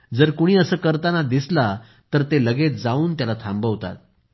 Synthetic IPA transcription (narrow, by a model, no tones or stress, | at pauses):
d͡zəɾkoɽ̃iːəsəːkəɾt̪anad̪isla | t̪əɾt̪eləɡet̪̚d͡zauːnt̪jalat̪ʰambəʋt̪a̰t̪̚